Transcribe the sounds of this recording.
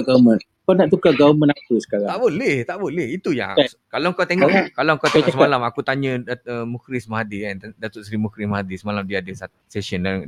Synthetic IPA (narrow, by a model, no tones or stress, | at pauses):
ɡamə̃n | kanaʔt̪ukaɡaumə̃nakusə̥kaɾat̪aʔbolɛht̪aʔbolɛhit̪uja̰skalaŋkat̪eŋɔkalaŋkawt̪eŋɔsəmalamakut̪aɲə̃aəmukɾismaɦadiɛndat̪ʊʔsəɾimukɾimaɦadisəmalamdiadəsa | sɛsənaŋ